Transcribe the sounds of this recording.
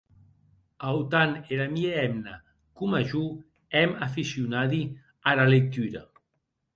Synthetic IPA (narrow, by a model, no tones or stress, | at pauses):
awt̪aneɾamieɛmna | kumaʒu | ɛmafisiunaði | aɾalek̚t̪yɾa̰